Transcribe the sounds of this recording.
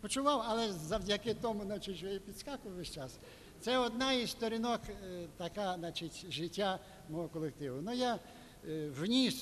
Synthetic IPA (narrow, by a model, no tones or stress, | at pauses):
pɔt͡ʃʊʋɑwɐlˠɛzɐwdʲakɪt̪ɔmʊznat͡ʃɪtʲjɔɛpʲid̪skakʊʋʋɛʃʲt͡ʃas | t̪sɛɔd̪naizst̪ɔɾʲinɔkt̪ɐkanat͡ʃɪtʲʒɪtʲːa | mɔɦɔkɔlˠek̚t̪ɪʋʊnuja | wnʲis